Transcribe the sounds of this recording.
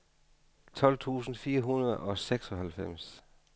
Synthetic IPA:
t͡sʰɒ̽l̰t͡sʰṵːsn̩fiːɐɦunɐðˠɒ̽seɡ̥sɒ̽hælfem̰s

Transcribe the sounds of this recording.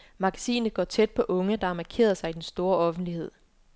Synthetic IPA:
mɑ̈ɡ̥æsḭːnəð̩ɡɒ̰ːt͡sʰed̥̚pʰɒ̽ʔɔ̽ŋəd̥ɑ̈ɑmækʰe̝̰ːɐsɑ̈ɪid̥ensd̥o̝ːɐɒ̽fn̩d̥lihe̝ð̞̰ˠ

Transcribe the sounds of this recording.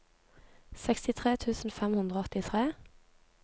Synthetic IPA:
sɛkst̪ɪt̪ʰʁeːt̪ʰʉːsn̩fɛmhʉnd̪ʁəɔt̪ɪt̪ʰʁeː

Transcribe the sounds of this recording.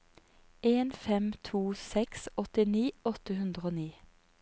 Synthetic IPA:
ʔeːnfɛmt̪ʰuːsɛksɔt̪ɪniːɔt̪əhʉnd̪ʁoːniː

